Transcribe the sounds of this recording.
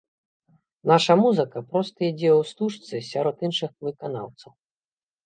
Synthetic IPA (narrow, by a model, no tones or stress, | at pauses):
naʂɐmuzɨkɐpɾɔst̪ɐid͡zʲɛwst̪uʂt̪sɨsʲaɾɔt̪inʂɨxvɨkana̰wt̪sɐw